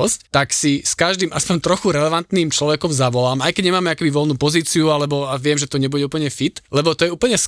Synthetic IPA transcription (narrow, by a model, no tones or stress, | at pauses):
ɔsct̪aksiskaʒd̪iːmʔaspɔɲt̪ɾɔxuɾɛlɛʋant̪niːmt͡ʃlɔʋɛkɔmzaʋɔlaːmajkɛɟɲɛmaːmɛakɛbiʋɔlnuːpɔziːt͡siualɛbɔaʋɪɛmʒɛt̪ɔɲɛbuɟɛupl̩ɲɛfit̪lɛbɔt̪ɔjɛuːpl̩ɲɛs